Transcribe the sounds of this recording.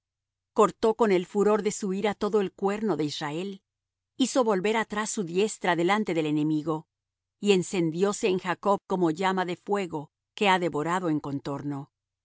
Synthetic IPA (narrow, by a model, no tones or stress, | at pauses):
ko̞ɾt̪o̞ko̞ne̞lfuɾo̞ɾðe̞suiɾat̪o̞ðo̞e̞lkwe̞ɾno̞ðeisrae̞l | iso̞βo̞lβe̞ɾat̪ɾasːuðje̞st̪ɾaðe̞lant̪e̞ðelene̞miɣo̞ | ie̞nse̞nd̪jo̞se̞ːŋxako̞βko̞mo̞ʝamaðe̞fwe̞ɣo̞ | ke̞aðe̞βo̞ɾaðo̞eŋko̞nt̪o̞ɾno̞